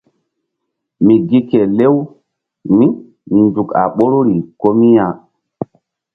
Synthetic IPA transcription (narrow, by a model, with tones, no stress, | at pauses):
mi˨ɡi˦ke˨le˦w | ni˦ | i˨nd͡ʒu˨ka̰˨ɓo˦ɾu˦ɾi˨ko˦mi˦ja˨